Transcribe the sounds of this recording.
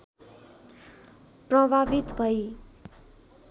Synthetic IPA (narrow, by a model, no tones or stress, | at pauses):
prʌbʱabit̪bʱʌj